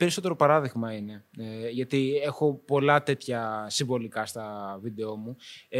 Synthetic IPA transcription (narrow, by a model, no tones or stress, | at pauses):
pe̞ɾiso̞t̪e̞ɾopɐɾɐðiɣmɐine̞ʝɐt̪ie̞xo̞po̞lɐt̪e̞t̪çɐsiɱvo̞likɐst̪ɐvid̪e̞o̞mu